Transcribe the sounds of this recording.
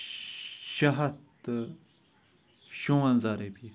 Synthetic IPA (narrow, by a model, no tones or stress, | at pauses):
ɕaɦat̪ə | ɕoŋwanzaɾelpi